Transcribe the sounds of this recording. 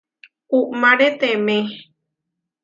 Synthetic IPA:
uʔmãɾet̪ẽmẽ

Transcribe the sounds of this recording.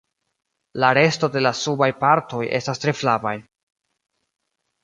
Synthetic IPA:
laɾe̞sto̞de̞lasubajpaɾto̞jʔe̞̰stastɾe̞flavaj

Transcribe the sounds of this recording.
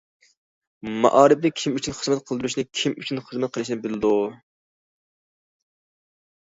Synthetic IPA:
mɑ̰ʔɑːɾɪp̚d̪ɛkʲʰimyt͡ʃʰynχəzmɛt̪̚qʰəlˠd̪ɨɾuʃnɪkʲʰimyt͡ʃʰynχəzmɛt̪̚qʰəlˠɨʃinɪbɪlɪd̪u

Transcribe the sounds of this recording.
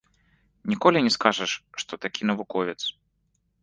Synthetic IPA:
nʲikɔlʲinʲɛskaʐɐʂʂt̪ɔt̪akʲinɐvukɔvʲɛt̪s

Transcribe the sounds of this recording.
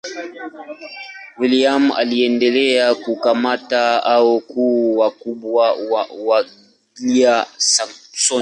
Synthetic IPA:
wiliama̰liɛndɛlɛakukamataaɔkuwakubwawawa | ɡiiasaŋsɔ

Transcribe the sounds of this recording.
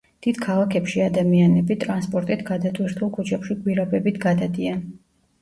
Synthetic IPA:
d̪̥id̪̥kʰalˠakʰɛpʃiad̪amianɛbit̪ʼɾanspʼɔɾt̪ʼit̪ʰɡad̪at̪ʼwiɾt̪ʰulˠkʰut͡ʃʰɛpʃiɡʼwiɾabɛbit̪ʰɡad̪ad̪ian

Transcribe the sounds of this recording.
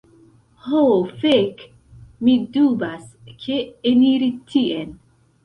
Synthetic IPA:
hofek | midubaskʰeeniɾitʰiʔen

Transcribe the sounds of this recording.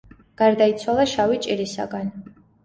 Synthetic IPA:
ɡ̥aɾd̪ait̪sʰwalˠaʃawit͡ʃʼiɾisa̰ɡan

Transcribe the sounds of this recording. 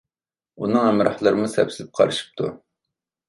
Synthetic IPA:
unɨŋɛmɾɑhlˠɨɾɨmusɛpsɪzɪp̚qʰɑ̰ɾɨʃi̥p̚t̪ʰṵ

